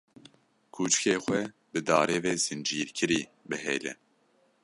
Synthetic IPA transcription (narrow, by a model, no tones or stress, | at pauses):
kʰuːt͡ʃɨ̥keːxwɛ | bɨd̪ɑːɾeːveːzɨnd͡ʒiːɾkʰɨɾiːbɨɦḛːlɛ̰